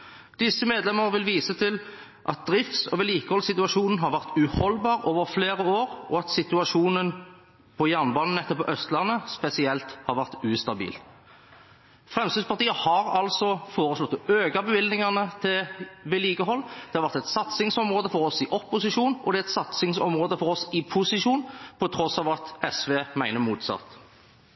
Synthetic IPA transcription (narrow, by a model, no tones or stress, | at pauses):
d̪̥ɪsːəmeːd̪lɛməʁəʋɪlʋiːsət̪ʰɪl | ʔɑ̰t̪̚d̪ʁɪft̪sɔ̰ʋɛːliːkəhɔlsɪt̪ʉɑʂuːnn̩ɦɑɾʋæʁt̪ʉhɔlbɑːɾoːʋəʁfleːʁəoːɾɔ̰ɑt̪sɪt̪ʉɑʂuːnən | pʰɔjæʁnbɑːnn̩ɛt̪ːəpɔʔœst̪lɑnːəspɛsɪɛlt̪hɑɾʋæʁt̪ʉːst̪ɑbḭːl | fʁɛmst̪yːspɑʁt̪iːəhɑʁɑlsɔfoːʁəslɔt̪ːøːɡɑbəʋɪld̪nɪŋɑnət̪ʰɪlʋɛliːɡəɦɔlːd̪̥ɛɑɾʋæʁɾt̪ɛt̪sɑt̪sɪŋsɔmʁoːd̪əfɔʁɔsɪʔɔpːʊsɪʃʂuːnʔɔd̪ɛɾɛt̪sɑt̪sɪŋsɔ̰mʁoːd̪əfɔʁɔsɪpʰʊsɪʃuːnpʰɔt̪ʰʁɔsːɑːʋɑt̪ɛsʋeːmæɪnəmuːt̪sɑ̰t̪ː